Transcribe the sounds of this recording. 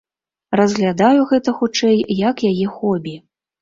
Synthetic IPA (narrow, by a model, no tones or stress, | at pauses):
rɐzɣlʲad̪ajuɣɛt̪ɐxut͡ʂɛjjɐkjajɛxɔbʲi